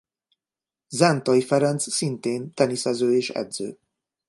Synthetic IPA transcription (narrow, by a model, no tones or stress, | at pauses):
zɛnt̪ɒjifɛɾɛnt̪ssint̪eːnt̪ɛnisɛzøːeːʃɛ̰d̪zø̰ː